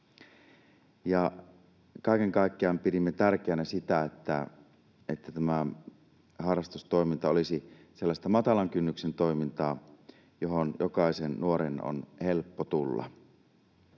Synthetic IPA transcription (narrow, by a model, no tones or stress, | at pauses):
jɑ | kɑˑikeŋkɑˑikːeɑmpiɾimːet̪ærk̟eːnæsit̪æet̪ːæ̰ | et̪ːæt̪æmæ | hɑrːɑst̪ust̪o̞imint̪ɑolisi | selːɑst̪ɑmɑt̪ɑlɑŋkynːyksent̪o̞imint̪ɑː | joɦonjokɑisennuoɾeno̰nhelpːot̪ulːɑ̰